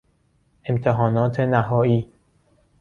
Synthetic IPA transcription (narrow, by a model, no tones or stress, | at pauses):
ʔemt̪ʰeɦɒːnɒːt̪ʰenæɦɒːiː